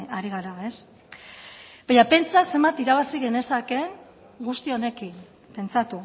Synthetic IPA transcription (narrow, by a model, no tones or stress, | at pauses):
aɾiɣ̞aɾae̞s | b̥aɲape̞nt͡sase̞mbat̪iɾaβasiɣe̞ne̞sake̞ŋ | ɡust̪io̞ne̞kin | pe̞nt͡sat̪u